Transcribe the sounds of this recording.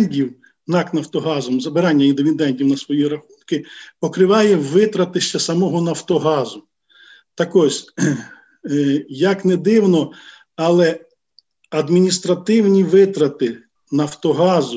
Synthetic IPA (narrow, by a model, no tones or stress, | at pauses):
nʲdʲiw | nɑknɐwt̪ɔɦɑzɔmzɐbɪɾɑnʲːɐind̪ɪʋʲid̪ɛnʲtʲiwnɐsʋɔjiɾɐxunkɪpɔkɾɪʋɑjɛʋɪt̪ɾɐt̪ɪʃt͡ʃɐsɐmɔɦɔnɐwt̪ɔɦɑzʊ | t̪ɐkɔzʲ | jɐknɛd̪ɪwnɔ | ɐlˠɛ | ɐd̪mʲinʲist̪ɾɐt̪ɪwnʲiʋɪt̪ɾɐt̪ɪ | nɐwt̪ɔɦɑzʊ